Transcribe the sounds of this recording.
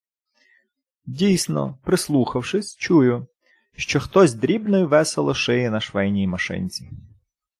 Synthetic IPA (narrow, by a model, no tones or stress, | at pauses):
dʲijsnɔ̰pɾɪslˠuxɐwʃɪsʲt͡ʃujʊ | ʃt͡ʃɔxt̪ɔzʲd̪ɾʲibnɔjiʋɛselˠɔʃɪjɪnɐʃʋɛjnʲijmɐʃɪ̰nʲt͡sʲi